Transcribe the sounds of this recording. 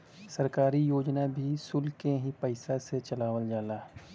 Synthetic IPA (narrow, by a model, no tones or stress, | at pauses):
sɐɾkaːɾijoːd͡ʒnabʱisʊlkeɦipəɪsaset͡ʃɐlaːwəld͡ʒaːlaː